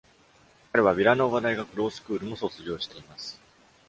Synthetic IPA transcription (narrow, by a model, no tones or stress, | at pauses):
kaɾe̞βabʲiɾano̞ːβad̪aiɡakɯ̟ɾo̞ːsɨ̥kɯ̟ːɾɯ̟mo̞so̞t͡sɨɡʲo̞ːɕi̥t̪e̞imasɨ̥